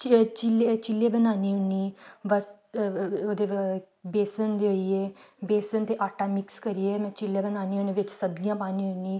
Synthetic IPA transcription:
t͡ʃt͡ʃɪleːt͡ʃɪleːbənaːniːʊniːʋəɾ | oːd̪eː | beːsənd̪eːoiːeː | beːsənt̪eːʔaːʈaːmɪkskəɾiːeːmɛ̃ːt͡ʃɪlːeːbənaːniːoːneːʋɪt͡ʃsəbd͡ʒijãːpaːnĩːɦʊniː

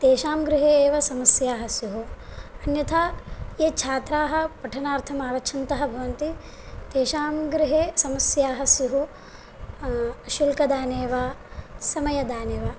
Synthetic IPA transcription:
t̪eːʃaːmɡɾɪɦeːʋɐsɐmɐsjaːɦɐsjuɦuɐnjɐt̪ʰaːeːt͡ʃʰaːt̪ɾaːɦɐ̆pɐʈʰɐnaːɾt̪ʰɐmaːʋɐt͡ʃʰɐnt̪ɐɦɐ̆bʱɐʋɐnt̪i | t̪eːʃaːmɡɾɪɦeːsɐmɐsjaːɦɐsjuɦu | ʃilkɐd̪aːneːʋaːsɐmɐjɐd̪aːneːʋaː

